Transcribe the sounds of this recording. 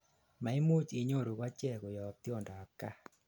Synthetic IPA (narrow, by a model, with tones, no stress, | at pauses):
ma˨i˦mu˦t͡ʃi˨ɲo˦˨ɾo˨kwa˦t͡ʃɛ˦˨ko˨jɔ˨t̪jɔ˦˨nda˨a˨ka˦